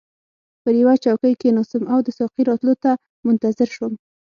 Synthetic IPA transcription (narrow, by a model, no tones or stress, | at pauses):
pəjawat͡ʃawkəjkenɑsɪmawd̪əsɑqiɾɑt̪lot̪a | mʊnt̪azɪɾʃwəm